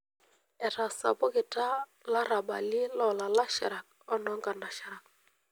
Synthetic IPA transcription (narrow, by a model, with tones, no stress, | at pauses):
ɛ˨ɾa˨sa̰˨bɔ˦kɪ˨ta˦la˦ɾa˨ɓa̰˨li˦lɔ˦˨la˨la˦ʃa˨ɾa˨k̚ | ɔ˦nɔ˦ŋɡa˨na˨ʃa˨ɾa˨k̚